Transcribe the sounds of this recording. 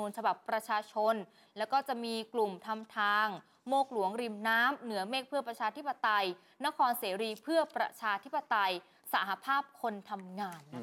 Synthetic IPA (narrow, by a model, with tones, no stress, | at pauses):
uː˧nt͡ɕʰa˧ba˨˩pːɾa˧t͡ɕʰaː˧t͡ɕʰo˧n | lɛ˦˥wkɔː˥˩t͡ɕa˨˩ʔmiː˧klu˨˩mt̪ʰa˧mt̪ʰaː˧ŋ | moː˥˩k̚lu˩˦əŋɾi˨˩mnaː˦˥mnɯ˩˦ɐmeː˥˩k̚pʰɯ˥əpɾa˧t͡ɕʰaː˧t̪ʰi˦˥pːa˧t̪a˧j | na˦˥kʰɔː˧nseː˩˦ɾiː˧pʰɯ˥˩ɐpɾa̰˧t͡ɕʰaː˧t̪ʰi˦˥pːa˧t̪a˧j | sa˩˦ɦa˧pʰaː˥˩p̚kʰo˧nt̪ʰa˧mŋaː˧n